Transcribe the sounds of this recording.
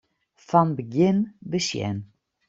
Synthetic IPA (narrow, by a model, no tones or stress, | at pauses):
fanbəɡjɪnbəsjɛ̰n